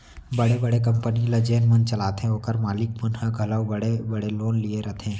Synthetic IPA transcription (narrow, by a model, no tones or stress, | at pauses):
bɐɽebɐɽek̬ɐ̃mpəniləd͡ʒeːnmɐnt͡ʃɐlaːt̪ɛ̃oːkəɾmaːlɪk̚pʊnhaɡʱɐləwbɐɽebɐɽeloːnlieɾɐt̪ʰɛ̃ː